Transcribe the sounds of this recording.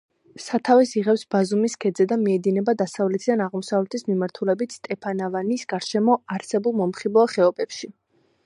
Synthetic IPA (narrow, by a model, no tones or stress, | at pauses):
sat̪ʰavɛsiʁɛpsbazumiskʰɛd̪zɛd̪amiɛd̪inɛbad̪asavlɛt̪ʰid̪anaʁmɔsavlɛt̪ʰismimaɾt̪ʰulɛbit̪st̪ʼɛpʰanavanisɡ̥aɾʃɛmɔaɾsɛbulˠmɔmχibɔaχɛɔbɛpʃi